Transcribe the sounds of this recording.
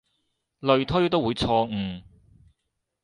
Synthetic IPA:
lɵ˨˧ɥt̪ʰːjo˥t̪o˥wu˨˧jt͡sʰɔː˧ŋ̩ː˧˩

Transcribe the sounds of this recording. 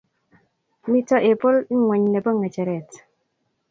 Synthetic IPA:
mi˦tɔ˦ʔɪ˨pʊ˦li˦ŋwɛ˨ɲne˨bo˦˨ŋə˨t͡ʃɛ˨ɾɛ˨t

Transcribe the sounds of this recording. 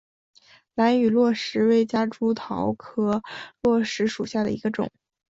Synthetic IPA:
la˧˥ny˨˩lwɔ˥˩ʂɻ̩˧˥we˥˩ɪt͡ɕja˥ʈ͡ʂu˥t̪ʰɑ˧˥ʊkʰɤ˥lwɔ˥˩ʂɻ̩˧˥ʂu˨˩ɕja˥˩d̪ə̰˩ḭ˧˥ɡə˧ʈ͡ʂʊ̰˨˩˦

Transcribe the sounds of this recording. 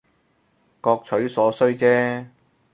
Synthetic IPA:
kɔː˧k̚t͡sʰɵ˨˥ɥsɔː˨˥sɵ˥ɥt͡sɛː˥

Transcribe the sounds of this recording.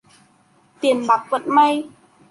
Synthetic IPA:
t̪i˨˩ənɓa˨˩k̚və̰˧˨nma˧j

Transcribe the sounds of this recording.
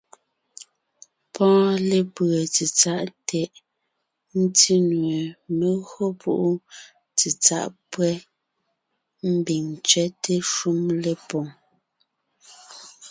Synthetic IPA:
pʰɔ̃ː˦le˨pə˨t͡si˨t͡sa˦ʔtʰɛ˨ʔ | n̩˦ti˦nwe˨me˨ɣo˦pʰu˦ʔu˦ | t͡si˨t͡sa̰˦˨ʔpwɛ˦ | m̩˦bi˨ŋt͡ʃɥɛ˦te˦ʃu˦mle˦pɔ˨ŋ

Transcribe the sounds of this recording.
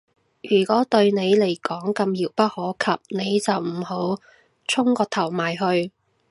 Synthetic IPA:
jyː˨˩kɔː˨˥t̪ɵ˧ɥne˨˧jle˨˩jkɔː˨˥ŋkɐ˧mjiː˨˩wpɐ˥t̚hɔː˨˥kʰɐ˨p̚ne˨˧jt͡sɐ˨wm̩˨˩ho˨˥w | t͡ʃʰʊ˥ŋkɔː˧t̪ʰɐ˨˩wmaː˨˩jɦɵ˧ɥ

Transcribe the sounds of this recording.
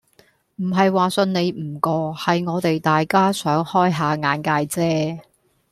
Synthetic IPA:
m̩˨˩ɦɐ˨jwaː˨sɵ˧nne˨˧jm̩˨˩kɔː˧hɐ˨jŋɔː˨˧t̪e˨jt̪aː˨jkaː˥sœː˨˥ŋhɔː˥jɦaː˨˧ŋaː˨˧nkaː˧jt͡sɛː˥

